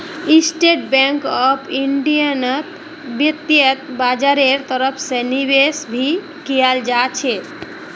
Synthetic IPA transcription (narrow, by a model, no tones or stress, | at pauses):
isʈeʈ̚bɛ̃ŋkɔpʰiɳɖijənət̪ | bjət̪ːjət̪bad͡ʒaɾeɾt̪əɾəpʰsenibesbʱi | kijald͡ʒat͡ʃʰe